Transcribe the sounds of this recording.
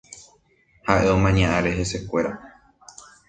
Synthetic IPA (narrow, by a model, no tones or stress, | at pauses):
haʔe̞omãɲãʔãɾe̞ɦe̞se̞kʷe̞ɾa